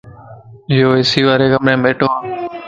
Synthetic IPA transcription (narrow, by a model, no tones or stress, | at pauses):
joːesiːʋaːɾeːɡəmɾẽːmeːʈõːɦãː